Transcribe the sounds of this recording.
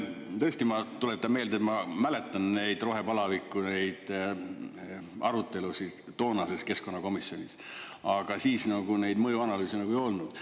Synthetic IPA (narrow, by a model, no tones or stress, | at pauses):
t̪ɤ̞ːsʲt̪imɑt̪ulet̪ːɑmme̞ːld̪et̪mɑmæle̞t̪ːˑɑnne̞jd̪ro̞ɦe̞pɑlɑvikːˑune̞jd̪̥ | ɑɾut̪ːˑe̞lusi | t̪o̞ːnɑse̞ske̞sko̞nːɑko̞misjo̞nʲis | ɑɡ̥ɑsiːsnɑɡ̥unejd̪mɤjuɑnɑlyːsinɑɡuejo̞lnud̪̥